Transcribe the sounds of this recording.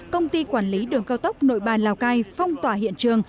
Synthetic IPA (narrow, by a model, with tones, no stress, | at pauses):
kə˧wŋ͡mt̪i˧kwaː˧˩nli˨˦ɗɨ˨˩əŋkaː˧wt̪ə˦˥wk͡p̚no̰˧˨jɓaː˨˩nlaː˨˩wkaː˧jfa˧wŋ͡mt̪waː˧˩ɦḭ˧˨ənt͡ɕɨ˨˩əŋ